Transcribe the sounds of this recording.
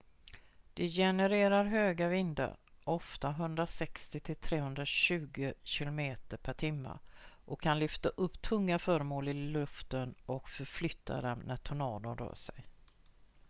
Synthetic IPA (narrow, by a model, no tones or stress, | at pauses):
d̪̥ɛjɛnɛɾeːɾaɾɦøːɡavɪnd̪a̰ɾʔɔft̪aɦɵnd̪ɾasɛkst̪ɪt̪ʰɪlt̪ʰɾeːhɵnd̪ɾaɕʉ̟ːɡəɕɪlʊmeːt̪əɾpʰæʈʰɪmːa̰ʔɔkʰːanlʏft̪aʔɵpːt̪ʰɵŋːafœːɾəmoːlɪlɵft̪ənɔkfœɾflʏt̪ʰːa̰d̪ɛmnʔæt̪ʰʊnɑːd̪ənɾœ̰ːʂɛj